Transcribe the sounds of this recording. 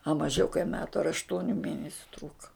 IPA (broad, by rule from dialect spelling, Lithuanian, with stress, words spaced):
ɐ mɐˈʒʲɛʊ kɐɪ ˈmʲæːtʊ ɐr ɐʃˈtuɔnʲʊ ˈmʲeːnʲɛsʲʊ ˈtruːkɐ